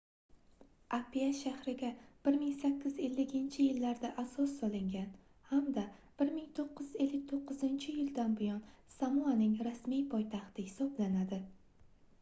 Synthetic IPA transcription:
ʔapiaʃahɾɪɡʲab̥ɪɾmɪŋsakʲːɪze̞lːɪkʲɪnt͡ʃʰɪjɪlːaɾd̪aʔasɒsːɒlˠɪŋɡʲan | hamd̪ab̥ɪɾmɪŋt̪ʰoqːɨze̞lːɪk̚ʲt̪ʰoqːɨzɪnt͡ʃʰɪjɪld̪anbʊjɒnsamuanɪŋɾasmijpʰɒjt̪ʰaχt̪ʰɪhɪsɒblanad̪ɪ

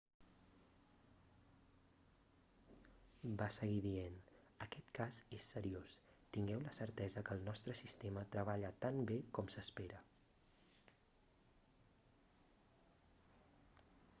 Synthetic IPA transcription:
basəɣiðien | əkɛt̪kazesːəɾios | t̪iŋɡɛwləsəɾt̪ɛzəkəːlˠnɔst̪ɾəsist̪emət̪ɾəβ̞aʎət̪ambekɔmsəspeɾə

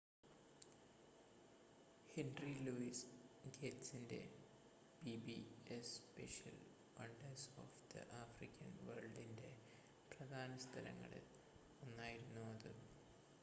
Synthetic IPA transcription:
henriluisɡetsinde̞̰ | bibiespeʂɐ̰l | ʋɐɳɖɐrso̰ːfd̪̥ɐ̰ʔaːfrikʲːɐnʋɐːrɭɖinde̞ | prɐd̪ʱaːnɐst̪ʰɐlɐ̰ŋːɐ̰ɭɨ̰ | onːaːjiɾunːuɐðɨ̰

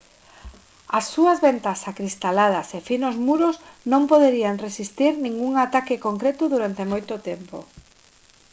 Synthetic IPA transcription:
ɐsːuɐzβent̪asakɾist̪alað̞ɐsefinozmuɾʊsnõmpoðeɾiaŋresist̪iɾnĩŋɡuŋat̪akɪkoŋkɾet̪ʊðuɾant̪emojt̪ʊt̪empo̰

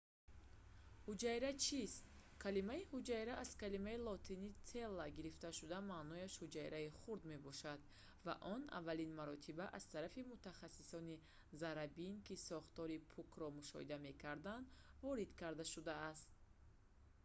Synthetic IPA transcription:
hud͡ʒajɾat͡ʃʰist̪ | kʰalimaihud͡ʒajɾaʔaz̥kalimailɔt̪ʰinit̪ʰelːaɡiɾift̪aʃud̪amaːnɔjaʃhud͡ʒajɾaiχuɾd̪me̞bɔʃad̪ | va̰ʔɔna̰vːalinmaɾɔt̪ʰibaʔaz̥t̪ʰaɾafimut̪ʰaχasːisɔni | zaɾabinkisɔχt̪ɔɾipʰukʰɾɔmuʃɔ̰hḭd̪ame̞kʰaɾd̪and̪vɔɾid̪kʰaɾd̪aʃud̪aːst̪̚

